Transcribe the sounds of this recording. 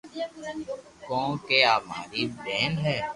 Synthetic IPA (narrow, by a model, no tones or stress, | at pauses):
kɔ̃ːkeaːma̰ːɾibɛːnɦɛː